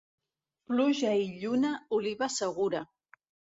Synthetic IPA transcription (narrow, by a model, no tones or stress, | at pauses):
pluʒaiʎunauliβasəɣuɾa